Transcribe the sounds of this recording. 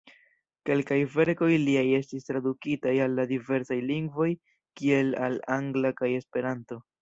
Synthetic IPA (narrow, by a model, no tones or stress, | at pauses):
ke̞lkajve̞ɾko̞jliaje̞stistɾadukitajalːadive̞ɾsajliŋɡvo̞j | kie̞la̰laŋɡlakaje̞spe̞ɾanto̞